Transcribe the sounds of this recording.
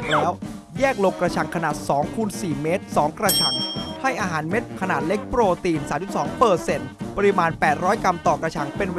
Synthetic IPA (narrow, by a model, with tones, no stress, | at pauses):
lɛː˥˦˥w | jɛː˥˩k̚lo˧kːɾa˧t͡ɕʰa˧˩ŋkʰa˧naː˨˩t̪̚sɔː˩˦ŋkʰuː˧nsiː˨˩meː˦˥t̪̚sɔː˩˦ŋkɾa˧t͡ɕʰa˧ŋha˥˩jʔaː˧ɦaː˩˦nme˦˥t̪̚kʰa˧naː˨˩t̪̚le˦˥k̚pɾoː˧t̪iː˧nsaː˩˦nt͡ɕʰu˨˩t̪sɔː˩˦ŋpɤː˨˩t̪̚se˨˩npa˧ɾi˦˥maː˧npɛː˨˩t̪̚ɾɔː˦˥jka˧mt̪ɔː˨˩kɾa˧t͡ɕʰa˧ŋpe˧nw